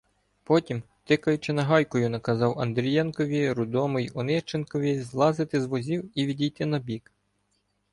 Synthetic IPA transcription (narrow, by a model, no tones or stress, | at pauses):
pɔtʲim | t̪ɪkɐjʊt͡ʃɪnɐɦɑjkɔjʊnɐkɐzɑwɐnd̪ɾʲijɛnkɔʋʲiɾʊd̪ɔmɪjɔnɪʃt͡ʃenkɔʋʲizlˠɑzɪt̪ɪzʋɔzʲiwiʋʲidʲijt̪ɪnɐbʲik